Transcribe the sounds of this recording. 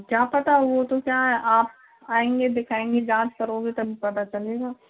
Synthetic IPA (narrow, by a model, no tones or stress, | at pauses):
kjaːpɐt̪aɦɛʋot̪okjaːɦɛʔaːp̚ | aːẽːŋɡed̪ɪkʰaːẽːŋɡed͡ʒãːt͡ʃkɐɾoːɡet̪ɐbʱipɐt̪at͡ʃɐleɡaː